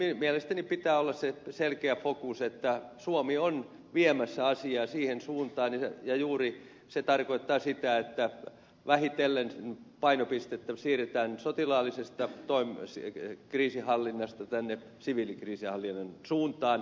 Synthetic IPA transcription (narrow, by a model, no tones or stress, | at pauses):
mimielest̪ænipit̪æːolːɑsseselkeæfokuset̪ːæsuomion | ʋiemæsːæɑsiɑːsiːhensuːnt̪ɑːnjɑjuːri | set̪ɑrkoit̪ːɑːsit̪æet̪ːæ | ʋæhit̪elːennpɑinopist̪et̪ːæsiːret̪æːnsot̪ilɑːlːˑisest̪ɑt̪oimskriːsihɑlːinːɑst̪ɑt̪ænːe | siʋilikriːsihɑlːinːɑnsuːnt̪ɑːn